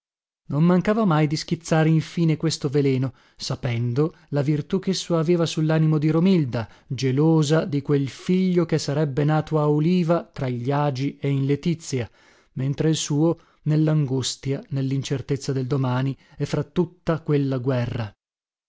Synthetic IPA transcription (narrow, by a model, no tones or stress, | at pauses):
nommaŋkaːvamajd̪isk̟it̪sːaːɾeiɱfiːnekwest̪ovelɛːno | sapɛnd̪o | lavirt̪ukesːoaveːvasulːaːnimod̪iɾomild̪a | d͡ʒeloːzad̪ikwelfiʎːokesːaɾɛbːenaːt̪oauliːvat̪ɾaʎaːd͡ʒieinlet̪it̪sːja | ment̪ɾeilsuːo | nelːaŋɡust̪janelːint͡ʃert̪et̪sːad̪eld̪omaːniɛfːɾat̪ːut̪ːakwelːaɡwɛrːa